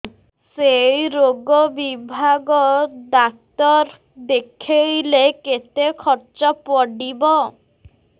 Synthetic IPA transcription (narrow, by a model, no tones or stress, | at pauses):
sejɾoɡɔbibʱaɡɔd̪ak̚t̪ɔɾ | d̪ekʰejleket̪ekʰɔɾt͡ʃɔpɔɖibɔ